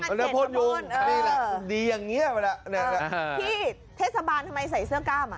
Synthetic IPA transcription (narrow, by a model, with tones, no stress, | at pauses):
na˦˥˨pʰoː˦˥˩noː˧˥˨niː˧˥˩la˧˩diː˧ja˨˩ŋːi˦˥ɐ˨ma˧˩la˧˩ʔna˧˩a˧iː˥˩ | t̪ʰeː˥˩t̚sa˧baː˧nt̪ʰa˧mːa˧js̬a˨˩˦jsɯ˥˩ɐkaː˥˩ma̰˧